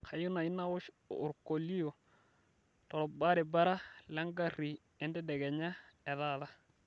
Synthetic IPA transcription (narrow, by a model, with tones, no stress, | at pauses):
ka˨ju˦na˨i˦na˦ʊ˦ʃː | ɾko˨li˦jo˨ | tɔ˨ɾɔ˨ba˦ɾe˨ba˦ɾa˦lɛ˦ŋɡa˦ri˨ | ɛ˦ndɛ˦dɛ˨ɡɛ˨ɲa˦ɛ˨ða˦ða˦